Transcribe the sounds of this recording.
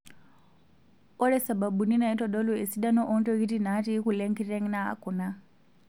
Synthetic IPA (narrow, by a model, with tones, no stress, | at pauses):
ɔ˦lɛ˦sa˨ba˨bu˨ni˦na˨i˦tɔ˨ɗɔ˦lu˨ɛ˨si˦ɗa˦nɔ˦ʔɔ˦ntɔ˦ki˦ti˦na˦ti˦kulɛ˦ŋki˦tɛ˦ŋna˦a̰˨kuna˦